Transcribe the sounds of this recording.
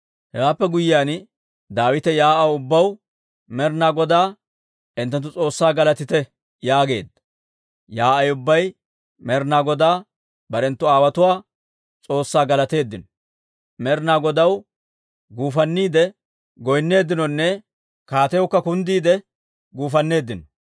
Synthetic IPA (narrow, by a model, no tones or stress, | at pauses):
hɛwaːpːɛɡʊjɪjaːn | d̪aːwɪt̪ɛjaːʔɐwʊbːɐw | mɛɾnaːɡɔd̪aː | ɪnt̪ːɐnt̪̬ːʊt͡sʼo̞ːsːaːɡɐlɐt̪ɪt̪ɛ | jaːɡe̞ːd̪ːɐ̥ | jaːʔɐjʊbːɐj | mɛɾnaːɡɔd̪aː | bɐɾɛnt̪ːʊaːwɐt̪ʊwaː | t͡sʼo̞ːsːaːɡɐlɐt̪e̞ːd̪ːɪnɔ | mɛɾnaːɡɔd̪ɐw | ɡuːfɐnːiːd̪ɛ | ɡɔjnːe̞ːd̪ːɪnɔnːɛ | kaːt̪ɛjɔkːɐkʊnd̪iːd̪ɛ | ɡuːfɐnːe̞ːd̪ːɪnɔ